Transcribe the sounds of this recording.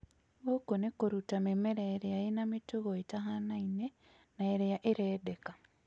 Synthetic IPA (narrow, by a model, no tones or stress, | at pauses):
βokonekoɾutamemeɾaeɾeaenamituɣoetaɦanaine | naeɾeaʔeɾeːdeka